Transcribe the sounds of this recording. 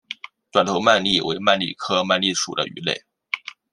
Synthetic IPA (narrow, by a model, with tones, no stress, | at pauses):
t̪wa˨˩nt̪ʰo˧˥ʊma˥˧nli˥˩wḛ˧˥ɪma˥˧nlḭ˥˩kʰɤ˥ma˥˧nli˥˩ʂṵ˨˩d̪ə̰˦y̰˧˥lḛ˥˩ɪ